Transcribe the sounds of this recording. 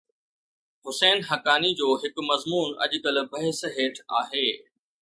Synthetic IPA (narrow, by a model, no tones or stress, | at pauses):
ɦʊsɛːnɦɐkaːnid͡ʑoːɦɪkmɐzmuːnɐ̰ʄkəlbʱɐɦɪsɦeːʈʰa̰ːɦeː